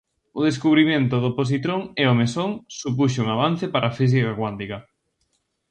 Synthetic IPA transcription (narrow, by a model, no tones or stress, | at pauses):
ʊðes̬kuβɾimẽnt̪ʊðopos̬it̪ɾoŋɛomesoŋsup̬uʃ̬uŋaβ̞an̟θepaɾʔafis̬ikakwant̪ika